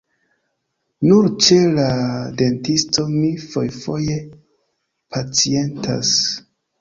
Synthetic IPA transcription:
nuɾt͡ʃe̞lade̞ntisto̞mifo̞̰jfo̞je̞ | pʰat͡sie̞ntʰa̰s

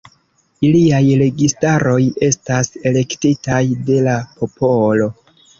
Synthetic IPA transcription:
iliajɾe̞ɡistaɾo̞je̞stase̞le̞ktitajde̞lapo̞po̞lo̞

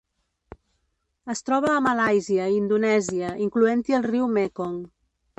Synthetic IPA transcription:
əst̪ɾɔβ̞əːmalajziəind̪unɛziəʔiŋkluent̪iəlˠriwmekɔŋ

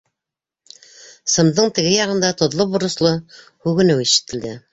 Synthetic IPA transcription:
sɤ̆md̪ɤɴt̪ɘ̆ɡɘjɑʁɤ̆nd̪ɑt̪ŏðlˠobŏɾɤ̆slˠo | hʉɡɘ̆nɘwiʃɘ̥̆t̪ɘ̆ld̪ɘ

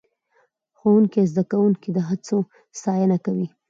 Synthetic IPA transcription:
xowuŋkiezd̪akawuŋkid̪əɦat͡so | sɑjənakawi

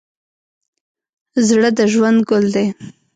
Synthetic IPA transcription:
zɽəd̪əʒwand̪ɡʊld̪e

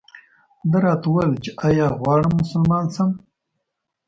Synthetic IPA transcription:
d̪əɾɑːt̪wɐlt͡ʃeʔajɑːɣwɑːɽəmːʊsəlmɑːnsɐm

